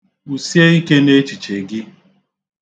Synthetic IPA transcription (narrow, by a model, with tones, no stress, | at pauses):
u˨sje˦i˦ke˦ne˦t͡ʃi˨t͡ʃe˨ɡɪ˦